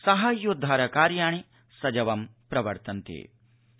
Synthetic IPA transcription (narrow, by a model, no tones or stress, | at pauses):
sɐɦɐjud̪ʱːaːɾɐkaːɾjaːɳ̃i | sɐd͡ʒɐʋɐmpɾɐʋɐɾt̪ɐnt̪ḛː